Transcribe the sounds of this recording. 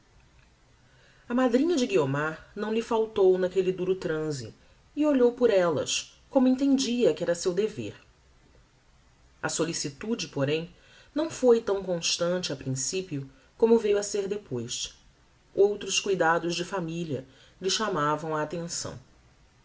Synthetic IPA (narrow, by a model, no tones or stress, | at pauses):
ɐmad̪ɾĩɲɐd͡ʒɪɡiomaɾnɐ̃w̃lɪfawt̪ownɐkelid̪uɾʊt̪ɾɐ̃zḭ | ɪoʎowpʊɾɛlɐ̰s | kõmʊẽt̪̬ẽnd͡ʒiɐkɪɛɾɐsewd̪evḛɾ | ɐsolisit̪ud͡ʒɪpoɾẽj̃ | nɐ̃w̃fojt̪ɐ̃w̃kõʃt̪ɐ̃t͡ʃɪɐpɾĩsipiʊ | kõmʊvejuɐseɾd̪epojs | owt̪ɾʊskujd̪ad̪ʊzd͡ʒɪfamiʎɐ̰ | lɪʃamavɐ̃w̃ɐːt̪ẽsɐ̰̃w̃